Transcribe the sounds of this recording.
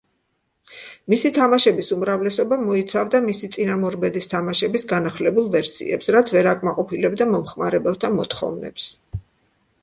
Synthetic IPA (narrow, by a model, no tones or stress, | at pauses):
misit̪ʰamaʃɛbisumɾavlɛsɔbamɔit̪sʰavd̪amisit̪sʼinamɔɾbɛd̪ist̪ʰamaʃɛbisɡanaχlɛbulˠvɛɾsḭɛ̰psɾat̪ʰvɛɾakʼmaqʼɔpʰilɛbd̪amɔmχmaɾɛbɛlˠst̪ʰamɔt̪χɔ̰vnɛ̰ps